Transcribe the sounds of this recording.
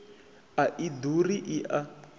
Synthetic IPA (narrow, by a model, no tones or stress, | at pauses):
aʔiduriʔiʔa